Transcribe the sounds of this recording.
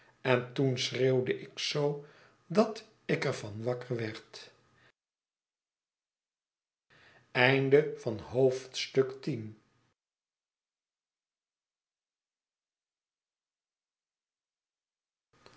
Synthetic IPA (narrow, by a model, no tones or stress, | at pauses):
ɛntunsrewdəʔɪksow | dɑt | ɪkəɹvɑnʋɑkəɹʋɛɹt | ɛjndəv̥ɑnɦowftstɵktin